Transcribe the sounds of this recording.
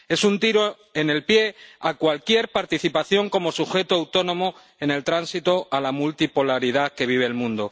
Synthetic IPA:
e̞sunt̪iɾo | e̞ne̞lpje̞akwalkje̞ɾpaɾt̪iθipaθjo̞ŋko̞mo̞suxe̞t̪oawt̪o̞nõ̞mo | e̞ne̞lt̪ɾansit̪o̞ʔalamult̪ipo̞laɾið̞ake̞β̞iβ̞eːlmũnd̪o̞

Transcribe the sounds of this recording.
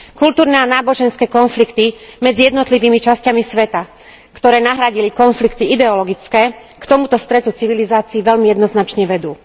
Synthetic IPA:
kult̪uːɾnɛanaːbɔʒɛnskɛːkɔnflikt̪imɛd͡zijɛd̪nɔt̪liʋiːmit͡ʃascamisʋɛt̪a | kt̪ɔɾɛːnaɦɾaɟilikɔnflikt̪iid̪ɛɔlɔɡit͡skɛːkt̪ɔmut̪ɔst̪ɾɛt̪ut͡siʋilizaːt͡siːʋɛlmijɛd̪nɔznat͡ʃɲɛʋɛd̪uː

